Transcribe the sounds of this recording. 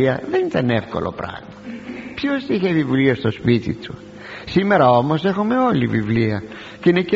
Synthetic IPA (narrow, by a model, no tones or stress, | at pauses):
iɐðenit̪ɐnefko̞̰lʔopɾɐ̰ɣmɐpçosiçeðivuliest̪o̞spit̪ḭt̪u̥ | sime̞ɾɐo̞mo̞se̞xume̞o̞livivliɐ | ceinece